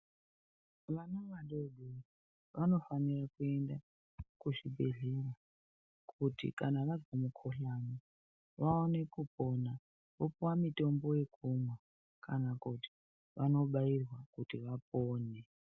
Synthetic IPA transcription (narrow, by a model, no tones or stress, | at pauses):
ʋanaʋaɗoɗe | ʋano̞fanirakue̞nda | kuʐibʱe̞ɮera | kʰutḭkanaʋad͡zɡamukʰoɬano | ʋaone̞kupo̞na | ʋopuwamito̞mbo̞je̞kʰumwa | kanakuti̥ | ʋano̞ɓairwakutiʋapoːne